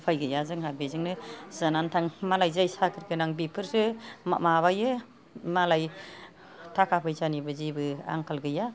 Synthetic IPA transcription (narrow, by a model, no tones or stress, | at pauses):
pʰajɡɯjazɯŋɦabezɯŋnɯzanantʰaŋmalajzajsakʰɯɾɡɯnaŋbipʰɯɾsɯma̰maβajɯ | malaj | tʰakʰapʰɯjzanibɯzibɯa̰ŋkʰalɡɯja